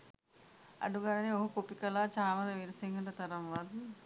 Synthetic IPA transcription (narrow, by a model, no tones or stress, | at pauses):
ɐ̰ɖuɡaɽɐneoɦukopikɐlaːt͡ʃaːmɐd̪ɐʋiɾɐsiŋɡɐɳʈɐt̪ɐɾɐmʋad̪